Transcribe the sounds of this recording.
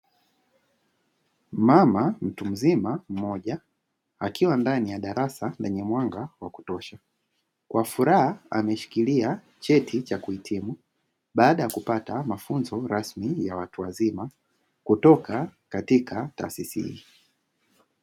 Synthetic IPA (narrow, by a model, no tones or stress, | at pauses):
mamam̩tum̩zimam̩mɔʄa | akiwandanijaɗaɾasandaɲɛmwaŋɡawaku̥tɔʃa | kwafuɾahaamɛʃi̥kilia | t͡ʃɛtʰit͡ʃakuitʰimu | ɓaːɗajakupatamafunzɔɾasmijawatuwazima | kutɔkakatikʰata̰ːsisihḭ